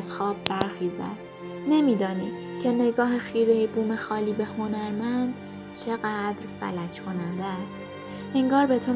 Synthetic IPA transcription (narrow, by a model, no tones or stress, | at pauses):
zxɒːb̚ːæɾxiːzæ̰d̪̥ | ne̞miːd̪ɒːniːd̪̥ | cʰe̞ne̞ɡɒːɦexiːɾejibuːme̞xɒːliːbe̞ho̞næɾmænd̪ | t͡ʃʰe̞ɣæd̪ɾfæ̰læcʰkʰo̞nænd̪eæst̪ | ʔeŋɡɒːɾbe̞t̪ʰo